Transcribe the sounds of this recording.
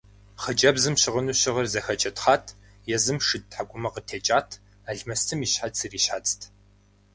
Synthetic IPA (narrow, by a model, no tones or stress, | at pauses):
χəd͡ʒʼɐbzɨmɕɪʁənuːɕɪʁɐrzɐxɐt͡ʃʼɐtχaːtʰ | jɛzɨmʂɨd̚ħaɡʷʊmɐqətʰeːt͡ʃʼaːtʰ | aːɮmɐstʰɨmiːɕħasɨriːɕħat͡sʼtʰ